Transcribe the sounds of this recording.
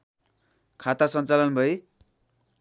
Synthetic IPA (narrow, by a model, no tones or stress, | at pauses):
kʰat̪asʌnt͡salʌnbʱʌj